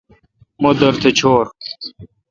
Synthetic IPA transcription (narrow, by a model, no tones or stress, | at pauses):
mod̪ɐɾt̪ʰet͡ɕʰoːɾ